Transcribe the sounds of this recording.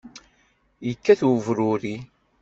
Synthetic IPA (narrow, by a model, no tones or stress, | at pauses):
jəkːæθwəvɾʊɾi